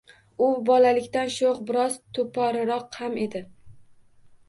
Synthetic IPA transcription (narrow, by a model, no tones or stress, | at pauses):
ʊbɒlalɪkʲt̪anʃoqbɪɾɒzt̪ʰopʰɒɾɪɾɒqhame̞d̪ɪ